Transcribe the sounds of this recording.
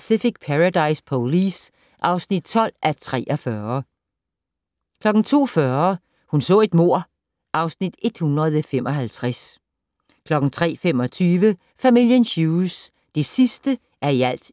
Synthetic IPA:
sifiɡ̥̚pʰæʁad̥ɑ̈ɪspʰolis | ʔɑ̈ʊsnid̥̚t͡sʰɒ̽l̰ʔæt͡sʰʁɛ̰ːʔɒfɶːɐ | kʰlɒ̽ɡ̥ŋ̩t͡sʰo̝̰ːfɶːɐ | hunsɔ̰̽ːe̝d̥mo̝ɐ̰ | ʔɑ̈ʊsnid̥e̝d̥hunʁɐð̩ˠfem̰ɒ̽ɦælt͡sʰʁas | kʰlɒ̽ɡ̥n̩t͡sʰʁɛ̰ːfem̰ɒ̽t͡sʰyːʋə | fæmil̰jənɕuːs | d̥e̝sisd̥ə | ʔæɐiæl̰d̥

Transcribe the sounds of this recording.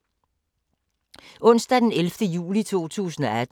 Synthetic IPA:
ɔ̽n̰sd̥æd̥enelfd̥əjṵːlit͡sʰo̝̰ːt͡sʰṵːsn̩ɒ̽æd

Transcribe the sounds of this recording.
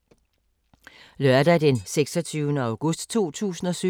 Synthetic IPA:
lœɐd̥æd̥enseɡ̥sɒt͡sʰyːʊnəɑ̈ʊɡ̥ɔ̽sd̥t͡sʰo̝̰ːt͡sʰṵːsn̩ɒ̽sy

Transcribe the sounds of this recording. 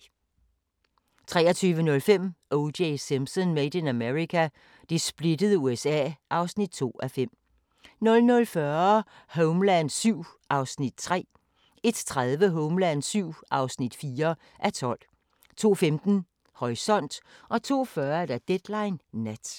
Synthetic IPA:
t͡sʰʁɛːɐt͡sʰyːʋənɔ̽lfem̰ʔoʊdeɪsimsɔnmed̥ənæmeʁikʰæ | d̥esb̥le̝d̥əð̞ˠuːesɛ̰ːʔɑ̈ʊsnid̥̚t͡sʰo̝̰ːæfem̰ | nɔ̽lnɔ̽lfɶɐ | hoʊmlæn̥syʊ̰ | ʔɑ̈ʊsnid̥̚t͡sʰʁɛ̰ː | e̝d̥t͡sʰʁaðˠʋəɦɔʊmlæn̥syʊ̰ʔɑ̈ʊsnid̥fiːɐ | ʔæt͡sʰɒ̽l̰ | t͡sʰo̝̰ːfemd̥n̩ | hɒʁisɒ̽n̰d̥ʔɒ̽t͡sʰo̝̰ːfɶɐd̥æd̥ed̥lɑ̈ɪnːæd̥

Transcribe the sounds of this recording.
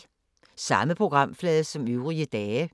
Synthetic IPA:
sɑ̈məpʰʁoɡ̥ʁɑ̈m̰flɛːðˠsɒ̽møʊʁiəd̥ɛːə

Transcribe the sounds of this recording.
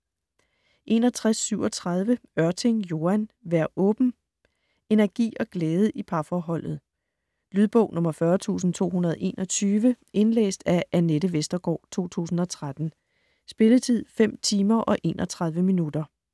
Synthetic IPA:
ʔe̝nɒ̽t͡sʰʁasːyʊɒ̽t͡sʰʁɑð̞ˠʋəɶɐt͡sʰe̝ŋjo̝ːænʋæɐɔ̽ːb̥n̩ | e̝næɐɡ̥ḭːɒ̽ɡ̥leːð̞ˠəʔipʰɑ̈fɒːɦɒ̽l̰ð̞̩ˠ | lyð̞ˠb̥ɔ̽ʊnɔ̽mɐfɶːɐt͡sʰṵːsn̩t͡sʰo̝̰ːhunɐð̞ˠʔe̝̰ːnɒ̽t͡sʰyːʋə | e̝nlḛːsd̥æʔæneɾəʋesd̥ɐɡ̥ɒ̰ːt͡sʰo̝̰ːt͡sʰṵːsn̩ɒ̽t͡sʰʁad̥n̩ | sb̥e̝lət͡sʰið̞̰ˠfem̰t͡sʰiːmɐʔɒ̽ʔe̝ːnʔɒ̽t͡sʰʁɑ̈ðˠʋəminud̥ɐ

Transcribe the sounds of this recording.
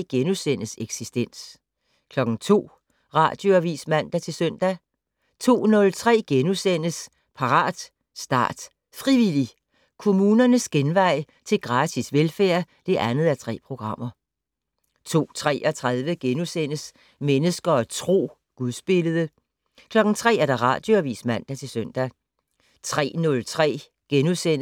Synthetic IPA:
ɡ̥enusen̰əseɡ̥sisd̥en̰s | kʰlɒ̽ɡ̥n̩t͡sʰo̝̰ː | ʁɑ̰̈ːd̥jo̝æʋḭːsmæn̰d̥æt͡sʰe̝lsœn̰d̥æ | t͡sʰo̝̰ːnɔ̽lt͡sʰʁɛ̰ːɡ̥enusen̰əs | pʰɑ̈ʁɑ̰̈ːd̥ | sd̥ɑ̰̈ːd̥ | fʁiʋili | kʰo̝muːnɐnəsɡ̥enʋɑ̈ɪ̰ | t͡sʰe̝lɡ̥ʁɑ̈ːt͡sʰisʋelfæɐ̰d̥e̝ʔænð̞̩ˠæɐt͡sʰʁɛ̰ːpʰʁo̝ɡ̥ʁɑ̈m̰ɐ | t͡sʰo̝̰ːt͡sʰʁɛ̰ːʔɒt͡sʰʁaðˠʋəɡ̥enusen̰əs | menəsɡ̥ɐt͡sʰʁo̝̰ː | ɡ̥uðˠsb̥e̝ləð̞ˠə | kʰlɒ̽ɡ̥n̩t͡sʰʁɛ̰ːæɐɾ̥ɑ̈ʁɑ̰̈ːd̥joɐʋḭːsmæn̰d̥æt͡sʰe̝lsœn̰d̥æ | t͡sʰʁɛ̰ːnɔ̽lt͡sʰʁɛ̰ː | ɡ̥enusen̰

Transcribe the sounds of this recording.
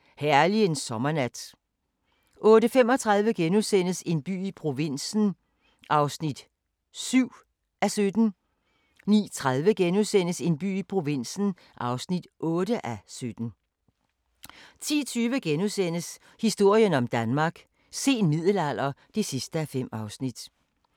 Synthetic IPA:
hæɐliensɒ̽mɐnæd̥ | ʔɔ̽ːɾəfem̰ɒ̽t͡sʰʁɑð̞ˠʋəɡ̥enusen̰əse̝nb̥y̰ːipʰʁo̝ʋe̝n̰sn̩ | ʔɑ̈ʊsnid̥ | syʊ̰ | ʔæsød̥n̩ | nḭːt͡sʰʁaðˠʋəɡ̥enusen̰əse̝nb̥y̰ːipʰʁo̝ʋe̝n̰sn̩ | ʔɑ̈ʊsnid̥ʔɔ̽ːɾəʔæsød̥n̩ | t͡sʰḭːt͡sʰyːʋəɡ̥enusen̰əs | hisd̥o̝ɐ̰jənɒ̽md̥ænmɑ̈ːɡ̥ | se̝̰ːnmið̞̰ˠl̩æl̰ɐd̥e̝sisd̥əæfem̰ɑ̈ʊsnid̥

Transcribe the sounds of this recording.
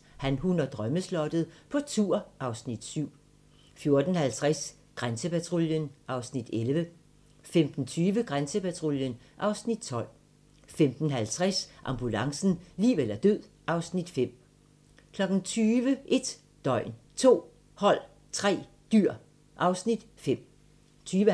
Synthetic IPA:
hænhunɐd̥ʁœməslɒ̽d̥əð̩ˠpʰɒ̽t͡sʰuɐʔɑ̈ʊsnid̥syʊ̰ | fjo̝ɐd̥n̩hælt͡sʰʁas | ɡ̥ʁansəpæt͡sʰʁoljənʔɑ̈ʊsnid̥elʋə | femd̥n̩t͡sʰyːʋəɡ̥ʁansəpʰæt͡sʰʁo̝ljən | ʔɑ̈ʊsnid̥̚t͡sʰɒ̽l̰ | femd̥n̩ɦælt͡sʰʁasʔɑ̈mb̥ulɑ̈ŋsn̩liːʋelɐd̥øð̰ˠ | ʔɑ̈ʊsnid̥fem̰ | kʰlɒ̽ɡ̥n̩t͡sʰyːʋəʔe̝d̥ | d̥ɒ̽ɪ̰n | t͡sʰo̝̰ː | hɒ̽l̰ | t͡sʰʁɛ̰ː | d̥yɐ̰ | ʔɑ̈ʊsnid̥ | fem̰ | t͡sʰyːʋə

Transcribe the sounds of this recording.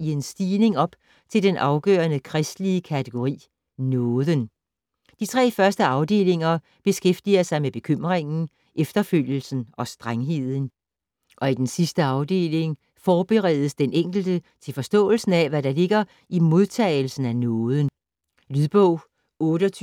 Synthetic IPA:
ie̝nsd̥iːle̝ŋɒ̽b̥ | t͡sʰe̝ld̥enʔɑ̈ʊɡ̥œ̰ːɐnəkʰʁɛsd̥liəkʰæt͡sʰeɡ̥o̝ʁḭː | nɔːðˠən | d̥it͡sʰʁɛ̰ːfɶɐsd̥əɑ̈ʊd̥e̝̰ːle̝ŋɐ | b̥e̝sɡ̥efd̥iɐsɑ̈ɪmeb̥e̝kʰøm̰ʁeŋn̩ | ʔefd̥ɐføl̰jl̩sn̩ɒ̽sd̥ʁaŋɦe̝ð̞̰ˠn̩ | ʔɒ̽id̥ensisd̥əɑ̈ʊd̥e̝̰ːle̝ŋ | fɒːb̥əʁɛð̞ˠəsd̥enʔeŋ̰ɡ̥l̩d̥ət͡sʰe̝lfɒ̽sd̥ɔ̰̽ːl̩sn̩æʋæɾɑ̈le̝ɡ̥ɐ | imo̝ðˠt͡sʰɛ̰ːɪl̩sn̩ænɔːðˠən | lyðˠb̥ɔʊ̰ | ɔ̽ːɾəɒt͡sʰ

